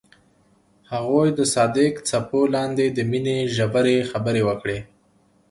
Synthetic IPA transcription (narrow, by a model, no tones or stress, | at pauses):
haɣojd̪əsɑd̪ɪkt͡sapolɑnd̪ed̪əmineʒabaɾexabəɾewəkɽe